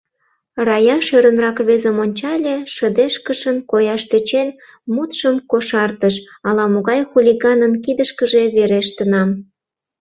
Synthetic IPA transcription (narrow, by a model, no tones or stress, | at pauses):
rɑjɑʃøɾənrɑkβezəmonʲt͡ɕɑlʲeʃəd̪eʃkəʃənkojɑʃt̪øt͡ɕen | mut̪ʃəmkoʃɑrt̪əʃ | ɑlɑmoɣɑjxulʲiɣɑnənkid̪əʃkəʒeβeɾeʃt̪ənɑm